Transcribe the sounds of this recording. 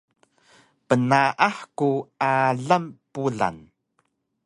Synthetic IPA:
pənaʔaħkuaɮampuɮa̰n

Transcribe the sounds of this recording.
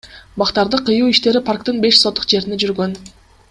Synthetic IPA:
bɑqt̪ɑɾd̪ɯqʰːɯjuːiʃt̪e̞ɾipʰarkt̪ɯnbe̞ʃsot̪ːu̥qd͡ʒe̞ɾined͡ʒyɾɡø̞n

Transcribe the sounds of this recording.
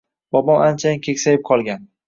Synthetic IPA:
b̥ɒbɒmant͡ʃʰajɪnkʲʰekʲsajɪp̚qʰɒlˠɡʲan

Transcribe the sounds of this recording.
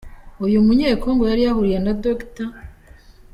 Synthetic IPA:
ujumuɲeːkoːŋɡojaɾijahuɾije̞nadokta

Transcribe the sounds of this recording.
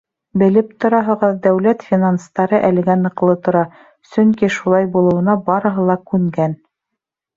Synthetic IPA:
bɘ̆lɘpt̪ŏɾɑɦɤ̆ʁɤðd̪æwlæt̪fʲinanst̪ɑɾɤʔælɘ̆ɡænɤ̆qlˠɤt̪ŏɾɑ | sɵŋkiʃulˠɑjbulˠɤ̆wɤ̆nɑbɑɾɤ̆ɦɤlˠɑkʉŋɡæn

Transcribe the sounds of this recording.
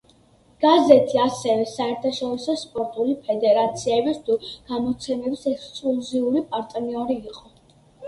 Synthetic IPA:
ɡ̥azɛt̪ʰiasɛvɛsaɛɾt̪ʰaʃɔɾisɔspʼɔɾt̪ʼulipʰɛd̪ɛɾat̪sʰiɛbist̪ʰuɡ̥amɔt̪sʰɛmɛbisɛkskʼluziuɾipʼaɾt̪ʼniɔɾiːqʼɔ

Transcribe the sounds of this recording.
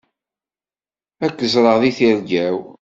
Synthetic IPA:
ækːəzˤɾˤəʁðiθiɾɡæw

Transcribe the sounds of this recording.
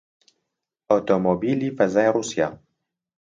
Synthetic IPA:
ot̪omobilifazajɾusja

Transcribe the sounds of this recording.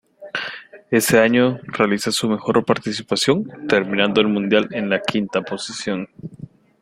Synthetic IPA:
e̞se̞aɲo̞realisasume̞xo̞ɾpaɾt̪isipasjo̞nt̪e̞ɾmĩnãnd̪oelmũnd̪jale̞nlakʰint̪apo̞sisjo̞n

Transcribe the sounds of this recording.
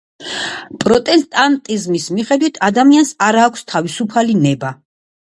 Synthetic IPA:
pʼɾɔt̪ʼɛst̪ʼant̪ʼizmismiχɛd̪wit̪ʰad̪amiansaɾaːkʷʰst̪ʰavisupʰalinɛba

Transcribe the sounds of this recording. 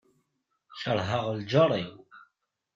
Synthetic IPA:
çəɾˤɦəʁld͡ʒəɾˤiw

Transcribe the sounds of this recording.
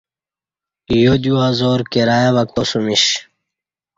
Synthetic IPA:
jod̪juazoːɾkeɾaːjaʋɐk̚t̪osumiɕ

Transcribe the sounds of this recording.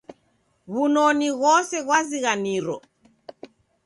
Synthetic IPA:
ɣunɔniɣɔsɛɣwaziɣaniɾɔ

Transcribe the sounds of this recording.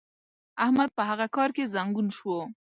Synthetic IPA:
ahmad̪̚pəɦaɣakɑɾkezaŋɡunʃwo

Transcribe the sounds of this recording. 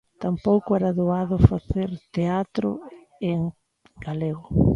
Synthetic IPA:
t̪ampowkʊɛɾaðoaðʊfaθeɾt̪eat̪ɾʊ̰ | eŋ | ɡaleɣʊ

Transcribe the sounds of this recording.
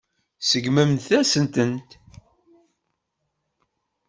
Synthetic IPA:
səɡməmθæsənt̪ənt̪

